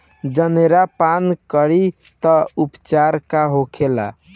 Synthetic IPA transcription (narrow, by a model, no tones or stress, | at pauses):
d͡ʒəneɾapankəɾi | t̪ɔupt͡ʃaɾkaɦokʰela̰